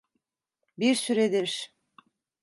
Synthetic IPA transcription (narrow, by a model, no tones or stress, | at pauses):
biɾsyɾed̪eʃ